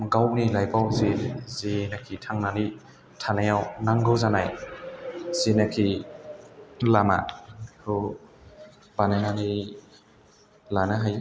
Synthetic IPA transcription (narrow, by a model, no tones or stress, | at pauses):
ɡawnilajbawzizinakʰitʰaŋnani | tʰanajawnaŋɡɯwzanaj | zinakʰi | lama̰kʰɯ | bananani | lanaɦaj